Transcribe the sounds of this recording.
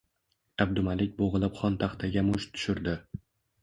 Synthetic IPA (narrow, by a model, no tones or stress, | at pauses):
ab̚d̪ʊmalɪk̚ʲboʁɨlˠɪpχɒnt̪ʰaχt̪ʰaɡʲamʊʃt̪ʰʊ̥ʃɪɾd̪ɪ